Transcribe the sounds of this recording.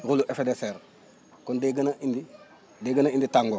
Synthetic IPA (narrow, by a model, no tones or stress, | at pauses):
ɣuluʔefedeseːɾ | kondeɡɐnaʔindi | deɡɐnainditaŋɡo